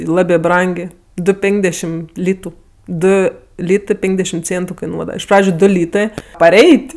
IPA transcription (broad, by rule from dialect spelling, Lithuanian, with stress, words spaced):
ɪ ˈlˠɑːbʲeː ˈbrɐŋʲɡʲeː ˈdʊ ˈpʲɛŋɡdʲɛʃʲɪm ˈlʲiːtʊ ˈdʊ ˈlʲiːtɜ ˈpʲɛŋɡdʲɛʃʲɪm ˈt͡sʲeːntʊ kɐɪˈnuɔdɐʋɐ ɪʃ ˈprɑːd͡ʒʲʊ ˈdʊ ˈlʲiːtɜ pɐˈrʲɛɪtʲ